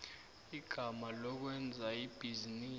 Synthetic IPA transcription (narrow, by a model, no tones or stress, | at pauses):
iɡ̥ʱamalɔk̬wɛnd͡zʱaib̥ʱiziniː